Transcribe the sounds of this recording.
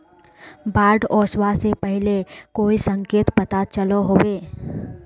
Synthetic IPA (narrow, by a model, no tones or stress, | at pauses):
baːɾɖɔːswasepɛɦlekoːisə̃ŋkeːt̪pɐt̪at͡ʃəloɦoːweː